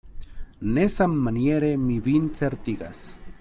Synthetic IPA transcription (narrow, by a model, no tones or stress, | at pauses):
nesamːanjeɾemiβint͡seɾt̪iɡa̰s